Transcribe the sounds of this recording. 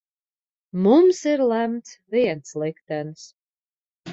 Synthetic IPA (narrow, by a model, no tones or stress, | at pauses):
mumsiɾlˠæmt̪sviɛnslˠikt̪ɛns